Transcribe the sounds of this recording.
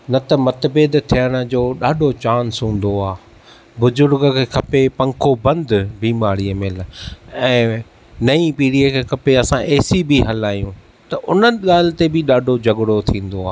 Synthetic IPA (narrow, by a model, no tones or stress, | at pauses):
nɐt̪ɐmɐt̪bɪd̪t̪ʰijəɽ̃̆d͡ʑoːɗaːɖʱot͡ɕaːnsũːn̆d̪oaː | bʊzʊɾɡkʰeːkʰɐpepɐ̃ŋkʰobɐ̃nd̪biːmaːɽiəmɪlɛ̃ː | nɐipiːɽiəkʰeːkʰɐpeɐsãʔeːsibiɦɐlaːjũ | t̪ɐʔʊn̤ənɪɠaːl̤ɪ̆t̪ebɪɗaːɖʱod͡ʑɐɠɽot̪ʰĩːn̆d̪oaː